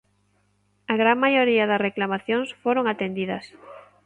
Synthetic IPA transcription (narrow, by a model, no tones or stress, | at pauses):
ɐɣɾaŋmajoɾiɐðɐsreklamaθjoŋsfoɾoŋat̪end̪iðɐs